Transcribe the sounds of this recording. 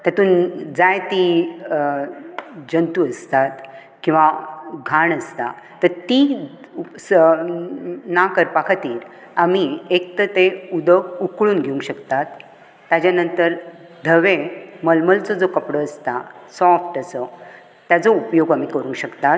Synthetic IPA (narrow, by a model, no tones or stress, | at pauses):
t̪jat̪uːnd͡zajt̪i | d͡ʑənt̪uəst̪at̪ | kĩw̃ʋaɡʱaɳəst̪a̰ | t̪əɾt̪i | s | nakəɾpakʰt̪iːɾ | amiek̚t̪ət̪eud̪əkukɭuːnɡʱeũŋkɕəkt̪at̪ː | ad͡ʑjanənt̪əɾ | d̪ʱəʋeməlməlt͡sɔd͡zokəpɽəːst̪asɔfʈəsə | t̪jad͡zɔupjoɡamikəɾũŋkɕəkt̪at̪